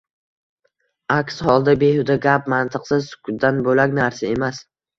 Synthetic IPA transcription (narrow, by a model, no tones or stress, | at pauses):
akʲshɒlˠd̪abe̞hʊd̪aɡʲap̚mant̪ʰɨqsɪzsʊ̥kʰʊd̪̚d̪anbolakʲnaɾsae̞mas